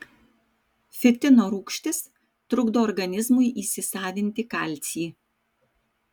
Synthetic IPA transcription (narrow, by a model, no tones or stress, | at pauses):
fʲɪt̪ʲɪnoːɾuːkʃʲt̪ʲɪs | t̪ɾʊɡd̪oːɾɡɐnʲɪzmʊɪʔiːsʲɪsɑːʋʲɪnʲt̪ʲɪkɑlʲt̪sʲiː